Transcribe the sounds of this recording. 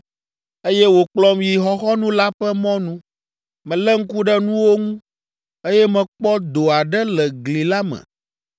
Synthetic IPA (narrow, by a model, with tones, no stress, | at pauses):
e˦jɛ˦wo˨k͡plɔ˦mji˨ɦɔ˦xɔ˦nũ˦la˦ɸɛ˦mɔ̃˦nũ˦ | mɛ̃˨lɛ˦ŋ̩˦ku˦ɖɛ˦nũ˦wo˦ŋũ˦ | e˦jɛ˦mɛ̃˨k͡pɔ˦d̪o˨a˨ɖɛ˦lɛ˨ɡli˨la˦mɛ̰̃˨